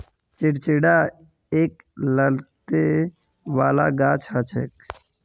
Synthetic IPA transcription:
t͡ʃeɖt͡ʃeɽaː | eːk | ləlt̪e | ʋaːla̰ːɡaːt͡ʃʰat͡ʃʰḛːk

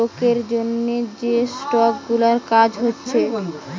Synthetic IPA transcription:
okeɾd͡ʑonːed͡ʑesʈɔkɡulaɾkad͡ʑɦotːɕʰe

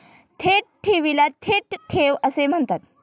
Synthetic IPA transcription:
t̪ʰeʈ̚ʈʰeʋilat̪ʰeʈʈʰeʋəsem̤əɳt̪at̪̚

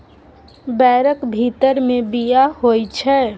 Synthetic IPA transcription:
bɛːɾəkbʱit̪əɾmẽbijaɦojt͡ʃʰɛ

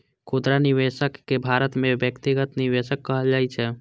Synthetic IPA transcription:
kʰod̪ɾaniʋeʃəkːebʱaɾət̪mebjəkt̪iɡət̪niʋeʃəkːəɦəld͡ʒajt͡ʃʰɛ

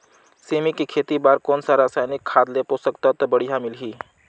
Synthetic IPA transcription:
semikikʰeːt̪ibaɾkɔːnsaɾasajnikʰːad̪leposəkt̪ət̪bəɽijɦamɪlɦiː

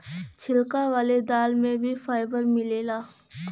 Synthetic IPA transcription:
t͡ʃʰɪlkaʋaːled̪aːlmẽbʱifaːɪbəɾmɪleːlaː

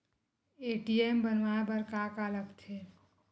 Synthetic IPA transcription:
eʈiembənʋaebəɾkakaləkt̪ʰe

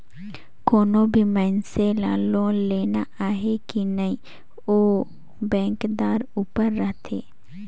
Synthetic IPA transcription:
koːnõbʱimɛːnselaːlõleːnaʔaːɦekinəĩː | oː | bɛ̃ːŋkd̪aːɾuːpəɾːəɦt̪ʰḛː

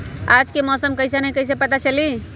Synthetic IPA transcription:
ad͡ʒkemɔsəmkəisenəɦikəjs̬epət̪at͡ʃəli

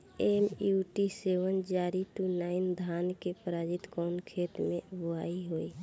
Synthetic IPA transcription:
emuʈiseʋənd͡ʒaːɾit̪unaːɪnd̪ʱaːnkepəɾaːd͡ʒɪt̪kɔːnkʰeːt̪mẽbʊaiɦoːi

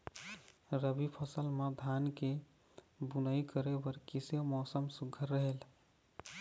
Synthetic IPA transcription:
ɾəbipʰəsəlməd̪ʱanke | bunəikəɾebəɾkisomɔːsəmsuɡʱəɾːəɦel

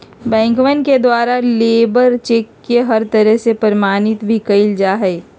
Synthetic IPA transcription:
bɛ̃ːŋkʋənked̪waːɾaleːbəɾt͡ʃeːkːeɦɐɾt̪əɾəɦsepəɾəmaːnɪt̪bʱikəɪld͡ʒaːɦɛː

